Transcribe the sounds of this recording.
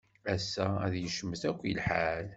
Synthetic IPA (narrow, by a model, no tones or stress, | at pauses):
æsːææðjəʃəmːəθækʷːilħal